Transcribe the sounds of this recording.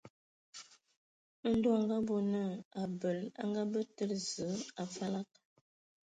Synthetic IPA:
n̩˦do˦a˨ŋɡa˦bo˨nə˦˨a˨bə˨la̰˦ŋɡa˦bə˦tə˦ɾzə˨˦a˨fa˦la˦k̚

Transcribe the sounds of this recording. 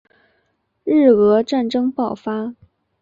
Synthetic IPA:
ɻ̩˥˩ɤ˧˥ʈ͡ʂa˥˩nʈ͡ʂɤ˥ŋpɑ˥˩ʊfa˥

